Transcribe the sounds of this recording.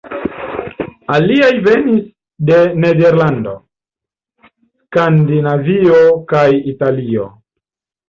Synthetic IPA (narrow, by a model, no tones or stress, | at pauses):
aliajve̞nis | de̞nede̞ɾlando̞̰ | skandinavio̞kajitalio̞̰